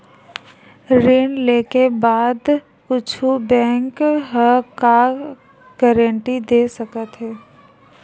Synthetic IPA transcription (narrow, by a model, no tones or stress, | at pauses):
ɾeːnleːkebaːd̪ | ʊt͡ʃʰubɛ̃ːŋkɦaka | ɡ̥ɛːɾə̃ɳʈid̪eːsəkət̪ɦɛː